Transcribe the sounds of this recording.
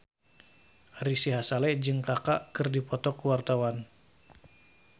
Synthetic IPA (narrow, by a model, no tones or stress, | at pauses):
risiɦasalɛd͡ʒɨŋkakaʔkɨrdipɔt̪ɔkuwart̪awan